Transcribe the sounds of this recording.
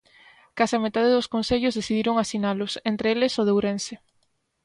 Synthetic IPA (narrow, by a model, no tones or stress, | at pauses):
kasɪamet̪aðeðʊskonθeʎozðeθiðiɾoŋasinalʊsent̪ɾeelesoð̞ewɾense